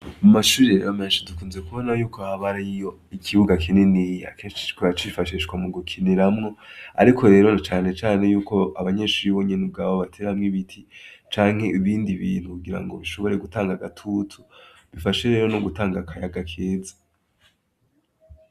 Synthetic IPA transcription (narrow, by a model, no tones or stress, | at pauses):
mumaʃuːɾeameːnʃidukuːnze̞kuβo̞najuːkohaβaɾijo̞ | ikʰiβuɡakinenija̰keːnʃi̥t͡ʃi̥t͡ʃkuat͡ʃifaʃiʃkwamuɡokʰineɾamŋo̞a̰ɾikʰo̞ɾe̞ːɾo̞nat͡ʃaːne̞t͡ʃaːne̞juːko̞aβaɲe̞ːʃuɾiβo̞ɲenub̚ɡaːβoβatʰeːɾahamŋiβitʰit͡ʃaːŋ̥he̞iβiːndiβiːn̥hukuɡiɾa̰ŋɡo̞βiʃo̞βo̞ɾe̞ɡutaːŋɡaɡatʰutʰu | βifaʃeɾe̞ːɾono̞ɡutaːŋɡakʰajaɡakʰeːzḁ